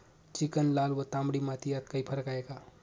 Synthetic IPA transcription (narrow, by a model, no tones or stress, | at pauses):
t͡ʃikənlalwət̪amɽimat̪ijat̪̚kəjpʰəɾkaeka